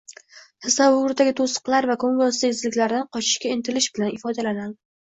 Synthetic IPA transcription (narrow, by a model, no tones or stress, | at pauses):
h̪ʰɪsavʊʊɾd̪aɡʲɪt̪ʰosə̥qlˠaɾvakʰoŋɡɒsɪɪzlɪkʲlaɾd̪anqʰɒt͡ʃʰɪ̥ʃkʲaɪnt̪ʰɪlɪʃbɪlanɪfɒd̪alanan